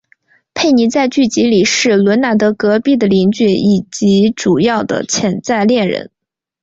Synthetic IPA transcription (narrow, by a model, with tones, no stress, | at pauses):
pʰe˥˩ɪni˧˥t͡sa˥˧ɪt͡ɕy˥˩t͡ɕi˧˥li˨˩ʂɻ̩˥˩lwə˧˥nna˧˥t̪ɤ˧˥kɤ˧˥pi˥˩d̪ə˩li˧˥ŋt͡ɕɥɛ˥˩i˨˩t͡ɕi˧˥ʈ͡ʂu˨˩jɑ˥˩ʊd̪ə̰˩t͡ɕʰjɛ˧˥nt͡sa˥˧ɪljɛ˥˩nɻə̰˧˥n